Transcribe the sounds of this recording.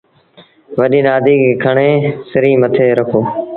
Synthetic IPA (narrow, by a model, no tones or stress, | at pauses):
ʋəɗĩːnaːd̪ʱiːkeːkʰəɳeːsɪɾĩːmət̪ʰeːɾəkʰoː